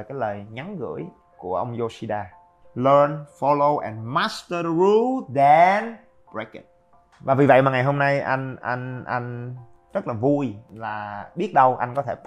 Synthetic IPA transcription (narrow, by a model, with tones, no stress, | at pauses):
kaː˨˦jləː˨˩jŋa˨˦nɣɨ̰˧˩˥əj | ku˧˩əʔə˧wŋ͡mzo˧si˧ɗaː˧ | lə˧nfɔ˧lo˧wʔɛ̰̃˨nma˦stəɹu˧dɛn | bɹe˦kə̰˨t̚ | vaː˨˩vi˨˩və̰˧˨jmaː˨˩ŋa˨˩jɦo˧mna˧jʔa̰˧jŋ̟ʔa̰˧jŋ̟ʔa̰˧jŋ̟ | zə˦˥t̚laː˨˩vu˧jlaː˨˩ɓi˦˥ət̚ɗə˧wʔa˧jŋkɔ˨˦t̪ʰe˧˩